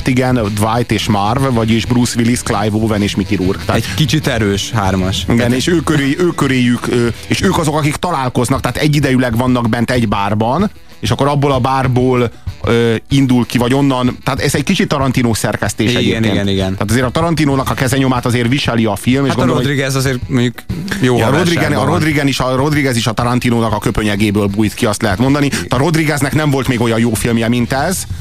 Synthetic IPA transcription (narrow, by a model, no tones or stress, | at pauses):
t̪iɡɛnd̪vajt̪eːʃmarvvɒɟeːʒbrusʋilisklajvoːvɛneːʃmikiɾurkt̪aːɛtkit͡ʃit̪ɛɾøːʃhaːrmɒʃiɡɛneːʃøːkøɾeːøːkøɾeːjykøeːʃøːkɒzo̞kɒkikt̪ɒlaːlko̞znɒkt̪ɛɦːt̪ɛɟːid̪ɛjylɛɡvɒnːɒɡbɛnt̪ɛɟbaːrbɒn | eːʃɒkːo̞ɾɒbːoːlɒbaːrboːløːind̪ulkivɒɟo̞nːɒnt̪aːt̪ɛzɛckit͡ʃit̪ːɒɾɒnt̪inoːsɛrkɛst̪eːʃɛeːeːnɡɛiɡɛnaːt̪ɒzeːɾɒt̪ɒɾɒnt̪inoːnɒkɒkɛzɛɲo̞maːt̪ɒzeːrviʃɛliɒfilmeʃɡoɾood̪ɾiɡɛzɒzeːɾmɲɟukjoːɾod̪iɡɛnɾod̪riɡɛniʃɒɾo̞d̪riɡɛziʃɒt̪ɒɾɒnt̪inoːnɒkɒkø̞pøɲɛɡeːbøːlbuːjt̪kiɒst̪lɛɦɛt̪mo̞nd̪ɒnit̪ɒɾo̞d̪riɡɛznɛknɛɱvo̞lt̪meːɡo̞jɒjjoːfilmjɛmint̪ɛz